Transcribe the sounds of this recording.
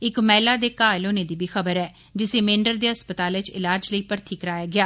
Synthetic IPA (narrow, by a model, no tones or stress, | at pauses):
ɪkmɛːlaːd̪eːkaːloːneːd̪iːbʱiːxəbəɾɛː | d͡ʒɪseːmẽːɳɖəɾd̪eːɦəspət̪aːlɪt͡ʃɪ̰laːd͡ʒləiːpəɾt̪ʰiːkəɾaːjaːɡɪaː